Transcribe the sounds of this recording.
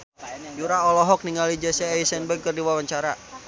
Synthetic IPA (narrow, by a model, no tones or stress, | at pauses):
d͡ʒuɾaɔlɔɦɔk̚niŋalid͡ʒɛsɛaisɛnbɛɡ̚kərdiwawaɲt͡ʃaɾa